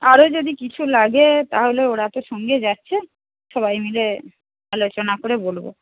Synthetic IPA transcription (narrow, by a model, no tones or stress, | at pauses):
aɾod͡ʑod̪ikit͡ɕʰulaɡet̪aɦoleoɽat̪oʃɔŋɡed͡ʑatːɕʰe | ʃɔβajmile | alot͡ɕonakoɾebolbo̰